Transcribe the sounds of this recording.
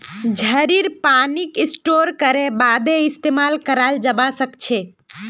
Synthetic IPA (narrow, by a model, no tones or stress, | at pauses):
d͡ʒʱəɾiɾpanikisʈoɾkəɾebad̪eist̪emalkəɾald͡ʒəbasəkt͡ʃʰɛ